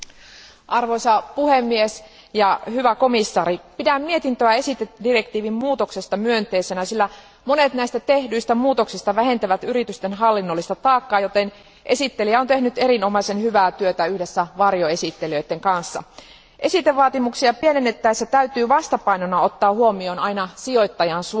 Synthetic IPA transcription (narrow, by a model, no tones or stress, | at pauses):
ʔɑrʋoisɑpuhemːies | jɑhyʋæko̞misːɑːɾipidæmmie̞t̪int̪øæe̞sit̪edire̞kt̪iːʋimmuːt̪oksest̪ɑmyønt̪e̞isenæsilːæ | monet̪næist̪æt̪e̞hdyist̪æmuːt̪o̞ksist̪ɑʋæɦe̞nt̪æʋæt̪yrit̪yst̪enɦɑlːinːolːist̪ɑt̪ɑːkːɑːjot̪en | ʔe̞sit̪ːelijæont̪ehnyt̪erinomɑisenhyʋæːt̪yøt̪æyhdesːæʋɑrjoe̞sit̪ːeliøit̪ːeŋkɑnsːɑ̰ | ʔe̞sit̪eʋʋɑːt̪imuksiɑpienenːet̪ːæesːæt̪æyt̪yːʋɑst̪ɑpɑinonːɑo̞t̪ːɑːhuomioːnɑinɑsio̞it̪ːɑjɑnsu